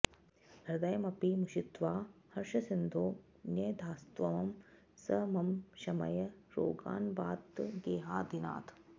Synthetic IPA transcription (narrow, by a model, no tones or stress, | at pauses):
d̪ʱɐɾd̪ɐjɐmɐpimuʃit̪ʋaːhɐɾʂɐsind̪ʱoː | njɐːd̪ʱaːst̪ʋɐʋɐm | sɐmɐmʃɐmɐ̰jɐɾo̰ːɡa̰ːnbaːt̪ɡeːɦaːd̪ina̰ːt̪ʰ